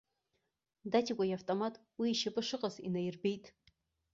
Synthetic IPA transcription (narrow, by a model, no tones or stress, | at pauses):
datʰikʷʼajavtʼomatʼ | wiːʃapʼɨʂɨqʼazḭnajɪrbe̞jtʼ